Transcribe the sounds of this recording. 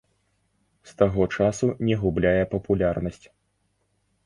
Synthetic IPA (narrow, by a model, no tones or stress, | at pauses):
st̪aɣɔt͡ʂasunʲɛɣublʲajɛpɐpulʲarnɐsʲt͡sʲ